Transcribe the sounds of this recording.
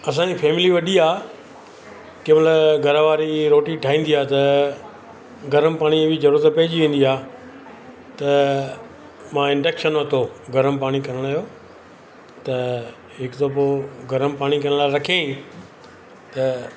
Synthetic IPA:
ɐs̬ãɲd͡ʑipʰeːmɪliʋɐɗiaː | kẽːməlɡʱɐɾəʋaːɾiɾoːʈiʈʰaːĩːnd̪iaːt̪ɐ | ɡɐɾəmpaːɽ̃iʋid͡ʑɐɾuːɾət̪pɐɦɪd͡ʑiʋẽːn̆d̪iaː | t̪ɐ | mãːɪ̃ɳɖeːkʃənɐt̪ʰoɡɐɾəmpaːɽ̃ikɐɾəɽ̃aːɦjoː | t̪ɐ | ɦɪkt̪op̬oːɡɐɾəmpaːɽ̃ikɐɽ̃əlaːɪɾɐkʰeĩ | t̪ɐ

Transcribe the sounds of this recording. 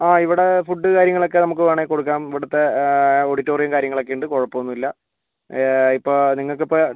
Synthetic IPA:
aːiʋiɽe̞fuɖːɨkaːɾjɐŋːɐɭo̞kːenɐmuk̬ːɨʋeːɳeko̞ɽuk̬ːaːmiʋiɽɐt̪ːe̞oɽitːo̞ːrijɐmkaːɾjɐŋːɐɭokːejuɳɖɨkoɻɐpːɐʋonːuilːɐ | ipːoːniŋːɐɭk̬ːipːo

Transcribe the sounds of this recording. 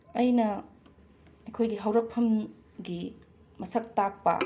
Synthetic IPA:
ɐjnɐ | ɐjkʰojɡiɦɐwɾɐk̚pʰɐm | ɡi | mɐsɐk̚tak̚pɐ̰

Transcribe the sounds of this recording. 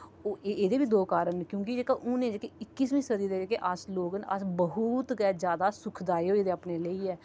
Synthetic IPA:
oːeeːd̪eːbiːd̪oːkaːɾənkjõːkid͡ʒeːkaʔʊnẽːd͡ʒekeɪkːiːsmĩːsəd̪iːd̪eːd͡ʒeːkeʔasloːɡəna̰sbəɦut̪ɡɛːd͡ʒjaːd̪aːsʊkʰd̪aːeoːeːd̪eːaːpneːləiːɛː

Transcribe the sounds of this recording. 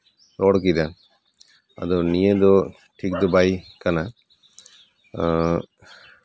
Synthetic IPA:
tɔɽkid̪a | a̰d̪ɔnijəd̪ɔ | ʈʰik̚d̪ɔbajkana

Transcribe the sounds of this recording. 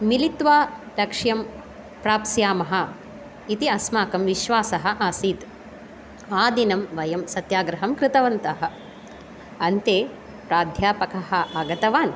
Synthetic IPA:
milit̪ʋaː | lɐkʂjɐm | pɾaːpsjaːmɐɦɐ̆ | it̪iɐsmaːkɐmʋiʃʋaːsɐɦɐ̆ʔaːsiːt̪ | aːd̪inɐmʋɐjɐmsɐt̪jaːɡɾɐɦɐmkɾɪt̪ɐʋɐnt̪ɐɦɐ̆ | ɐnt̪eː | pɾaːd̪ʱjaːpɐkɐɦɐʔaːɡɐt̪ɐʋaːn

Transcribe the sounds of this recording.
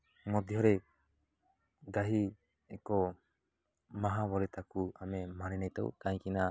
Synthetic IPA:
mɔd̪jɔɾɛ | ɡaɦi | ɛkɔ | maɦaβɔlɛt̪akuamɛmaninajt̪ɔ̰w̰kaj̃kina

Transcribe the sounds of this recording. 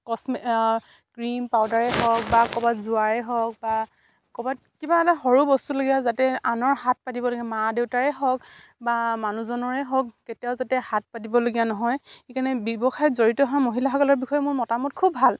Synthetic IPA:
kɔsm | kɹimpawdaɹɛɦɔk̚bakɔbatzuaɹɛɦɔk̚ba | kɔbat̚kibaɛtaɦɔɹubɔstuloɡijazatɛanɔɹɦat̚patibɔloɡijamadewtaɹɛɦɔk | bamanuzɔnɔɹɛɦɔkketijaʊzatɛhat̚patibɔloɡijanɔɦɔjxekanɛbibɔxajzoɹitɔɦamoɦilaxɔkɔlɔɹbixɔjɛmʊɹmɔtamɔt̚kʰubːʱal

